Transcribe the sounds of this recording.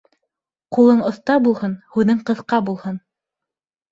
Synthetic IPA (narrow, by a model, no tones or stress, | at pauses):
qulˠɤɴŏθt̪ɑɾbulˠhɤnhʉðɘŋqɤ̆θqɑbulˠhɤn